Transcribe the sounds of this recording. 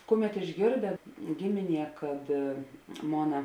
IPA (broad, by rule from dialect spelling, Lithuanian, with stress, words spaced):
ˈkʊˌmʲɛt ɪʒʲˈɡʲeːrʲdʲeː ˈɡʲɪmʲɪˌnʲiɛ kɐt ˈmoːnɐ